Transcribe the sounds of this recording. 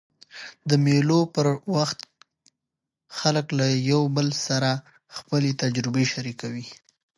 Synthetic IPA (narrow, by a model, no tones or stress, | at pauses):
d̪əmelopəɾwaxt̪ | xaləklajawbəlsaɾa | xpəlet̪ad͡ʒɾɪbeʃaɾikawi